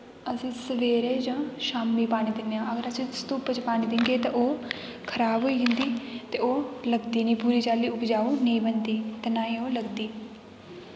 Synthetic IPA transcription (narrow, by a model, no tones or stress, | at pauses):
əsĩːsəʋeːɾeːd͡ʒãːʃaːmːiːpaːɽ̃iːd̪ɪnejãːəɡəɾəsst̪uːpət͡ʃpaːɽ̃ĩːd̪ɪŋɡeːt̪ãʔoː | kʰəɾaːbɦoːiːɦɪ̃nd̪iːt̪eːoːləɡd̪iːnĩːpuːɾiːt͡ʃaːliːʊpd͡ʒaːuːnəĩːbənd̪iːt̪enaːĩːoːləɡd̪iː